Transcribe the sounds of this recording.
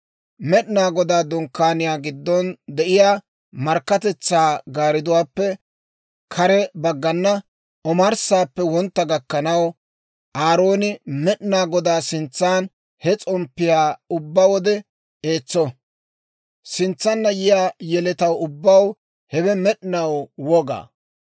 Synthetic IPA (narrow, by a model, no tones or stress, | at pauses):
mɛɗnaːɡɔd̪aːd̪ɔŋkːaːnɪjaːɡɪd̪ːɔnd̪ɛʔɪjaː | mɐɾkːɐt̪ɛt͡sːaːɡaːɾɪd̪ʊwaːpːɛ | kʰɐɾɛbɐɡːɐnːɐ | ʔɔmɐɾsaːpːɛwɔnt̪ːɐɡɐkːɐnɐw | ʔaːɾo̞ːnɪmɛɗɪnaːɡɔd̪aːsɪnt͡sːaːn | hɛt͡sʼɔmpːɪjaːʊbːawɔd̪ɛ | e̞ːt͡sːɔ | sɪnt͡sːɐnːɐjɪjaːjɛlɛt̪ɐwʊbːɐw | hɛbɛmɛɗɪnɐwwɔɡa̰ː